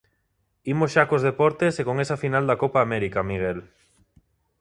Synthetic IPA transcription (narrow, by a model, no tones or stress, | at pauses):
imosʃakozð̞epɔɾt̪esekoŋesɐfinald̪akopaːmɛɾikamiɣ̞el